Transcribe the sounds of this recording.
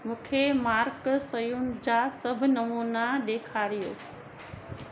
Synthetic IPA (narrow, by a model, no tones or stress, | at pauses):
mũːkʰemaːɾksɐjunɪ̆d͡ʑaːsɐbʱʊnɐmuːnaɗ̪eːkʰaːɾijo̰ː